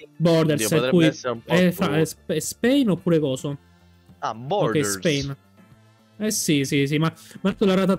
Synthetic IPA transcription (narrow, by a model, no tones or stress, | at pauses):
bɔɾd̪eɾsɛpujɛfaspɛspɛjnopːuːɾekɔːso | abokːɛjsɛjn | ɛsisis̬imamat̪ːolaɾaːt̪̬a